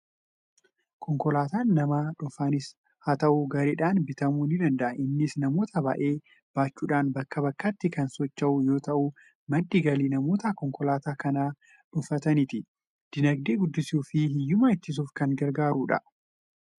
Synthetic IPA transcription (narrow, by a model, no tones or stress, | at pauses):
kʰɔŋkɔlaːt̪aːnːɐmaːᶑʊfaːnɪs | hɐt̪ɐʔuɡɐɾeːᶑaːnbɪt̪ɐmuːnɪd̪ɐnd̪ɐʔɐʔɪnːɪsnɐmo̞ːt̪ɐba̰ːʔe̞ː | b̥aːt͡ʃːuːᶑaːnbɐkːɐbɐkːɐt̪ːɪkɐnsɔt͡ʃːɐʔʊjo̞ːt̪ɐʔu | mɐd̪ːɪɡɐliːnɐmo̞ːt̪ɐkɔŋkɔlaːt̪aːkɐnaː | ᶑʊfɐt̪ɐnɪt̪ɪ | d̪̥ɪnɐɡ̚d̪eːɡʊd̪ːɪsuːfɪhɪjːʊmaːɪt͡ʃːɪs̬uːfkɐnɡɐɾɡaːɾuːᶑɐ̰